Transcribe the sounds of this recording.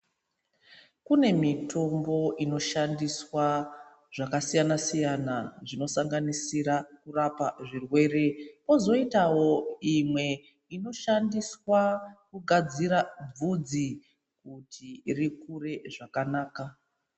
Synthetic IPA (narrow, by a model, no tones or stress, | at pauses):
kune̞mitʰo̞mbo̞ʔino̞ʃandiswa | ʐ̥akasijanasijanaʐino̞saŋɡanisiɾakurapaʐirwe̞ːɾe̞po̞zo̞itawo̞imwe̞ | ino̞ʃandiswakuɡʱad͡ziɾab͡vud͡zi | kutʰirikure̞ʐakanaːka